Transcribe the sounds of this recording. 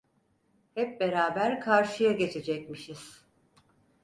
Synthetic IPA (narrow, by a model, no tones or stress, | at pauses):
hɛp̚be̞ɾaːbæɾkʰaɾʃɯjaɟe̞t͡ʃʰe̞d͡ʒɛc̚miʃiz̥